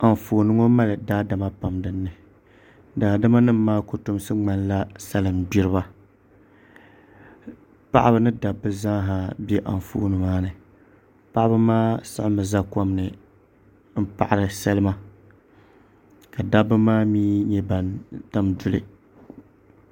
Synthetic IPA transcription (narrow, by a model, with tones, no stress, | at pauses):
a˨ɱ˨foː˨nɨ˦ŋo˦ma˦lɨ˨daː˦da˨ma˦pa˨mdɨ˦nːɨ˨ | daː˨da˦ma˦nɨ˦mːaː˦ko˨tʊ˦m˦sɨ˦ŋ͡ma˦nla˦sa˦lɨ˨mbi˦ɾɨ˦βa˦ | pa̰˦ʔa˦bɨ˦nɨ˦da˨bːɨ˦za˦ɦa˨bʲɛ˦ʔa̰˨n˨fo̰ː˦nɨ˨maː˦nɨ˨ | pa˦ʔa˦bɨ˦maː˦sɨ˦ʔɪ˦mɨ˨za˦ka˦mnɨ˨ | m̩˦pa˨ʔa˨ɾɨ˨sa˦lɨ˦ma˦ | ka˨da˦bɨ˦maː˦miː˦ɲɛ˦ba˨nta˦mdʊ˨lɨ̰˨